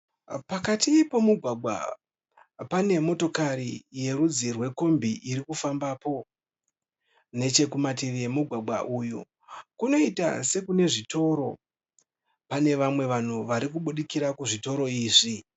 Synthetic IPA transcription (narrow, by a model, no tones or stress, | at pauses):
pakatipo̞muɡʱwaɡʱwa̰ | pane̞mo̞to̞kaɾije̞ɾud͡zirwe̞ko̞mbʱiʔiɾikufambapo̞ | ne̞t͡ʃe̞kumat̬iʋijemuɡʱwaɡ͡bʱwa̰ʔujṵ | kuno̞ita̰se̞kune̞ʐito̞ːɾo̞̰ | pane̞ʋamwe̞ʋan̤uʋaɾikuɓuɗikiɾakuʐito̞ɾo̞iːʐi